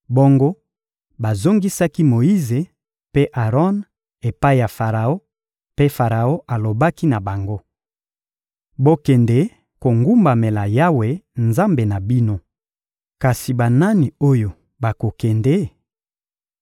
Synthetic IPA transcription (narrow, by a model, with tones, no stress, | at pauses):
bo˦ŋɡo˦ | ba˨zo˦ŋɡi˦sa˦ki˦mo˨ji˦ze˨ | pe˦ʔa˨ʁɔ˦n | e˨pa˦i˦˨ja˨fa˨ʁa˨o˦ | pe˦fa˨ʁa˨o˦ʔa˨lo˨ba˦ki˦na˨ba˨ŋɡo˦ | bo˦kɛ˨nde˨˦ | ko˨ŋɡu˦mba˨me˨la˨ja˦we˨nza˦mbe˨na˨bi˦no˦ | ka˨si˨ba˨na˦ni˨o˦jo˨ | ba˨ko˨kɛ˨nde˨˦